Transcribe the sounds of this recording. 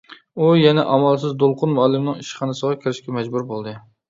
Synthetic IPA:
ujɛnɛʔɑmɑlˠs̬ɪzd̪olˠqʰʊnmɑlˠɪmnɪŋɪʃχɑnɨsɨʁɑkʲʰɪɾɪʃkʲɛmæd͡ʒbʊɾbolˠd̪ɪ

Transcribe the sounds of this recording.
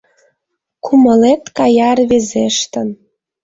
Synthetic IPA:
kʰumə̆let̪kɑjɑrβezeʃt̪ə̆n

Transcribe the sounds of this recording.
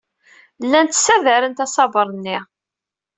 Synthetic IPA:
lːænt̪sæðæɾənt̪ɑsˤɑbəɾˤnːɪ

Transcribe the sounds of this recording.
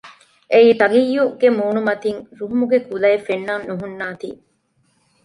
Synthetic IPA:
ʔeiːt̪ɐɡijːuɡemuːnumɐt̪iŋɾuɦumuɡekulɐefenːannuɦunːaːt̪ḭː

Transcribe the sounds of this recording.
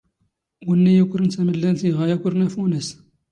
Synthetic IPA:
wənːæjækʷːɾənt͡sæməlːænθiʁæjækʷʊɾnæfunəs

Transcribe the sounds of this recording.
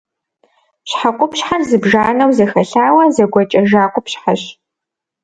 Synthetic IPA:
ɕħaqʷʼʊpɕħarzɨbʒaːnɐwzɐxɐɬaːwɐzɐɡʷɐt͡ʃʼɐʒaːqʷʊpɕħaɕ

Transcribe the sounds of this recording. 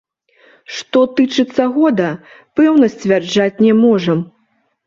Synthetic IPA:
ʂt̪ɔt̪ɨt͡ʂɨt̪sːɐɣɔd̪ɐ | pɛwnɐsʲt͡sʲvʲard͡ʐat͡sʲnʲɛmɔʐɐm

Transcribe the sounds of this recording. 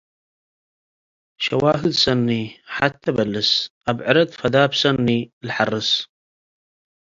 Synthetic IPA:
ʃawaːɦəd̪sanːiħat̪ːabalːəsʔabʕɪɾɪd̪fad̪aːbsanːilħɑrˤːɨs

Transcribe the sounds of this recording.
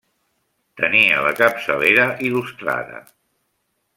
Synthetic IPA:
t̪əniələ̰kəpsəleɾəʔilust̪ɾa̰ðə̰

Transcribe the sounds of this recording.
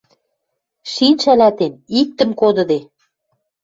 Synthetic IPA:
ʃinʲʃælæt̪enik̚t̪ə̆mkod̪ɤ̆d̪e

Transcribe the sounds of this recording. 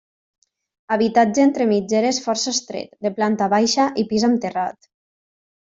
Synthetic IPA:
aβit̪ad͡ʒeent̪ɾemid͡ʒeɾesfɔɾsəst̪ɾḛt̪d̪eplant̪aβajʃaʔipizamt̪era̰t̪

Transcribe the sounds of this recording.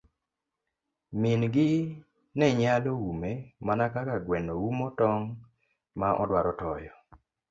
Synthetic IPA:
mɪnɡɪ | nɛɲaloumemanakakaɡwɛnoumɔtɔŋ | maʔɔ̰dwaɾɔtɔjɔ

